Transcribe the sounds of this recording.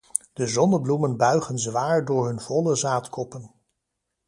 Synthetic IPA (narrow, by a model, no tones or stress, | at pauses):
d̥əzɔnəblumənbœɥχənzʋaːɹdʊːɹɦɵnv̥ɔləzaːtkɔpən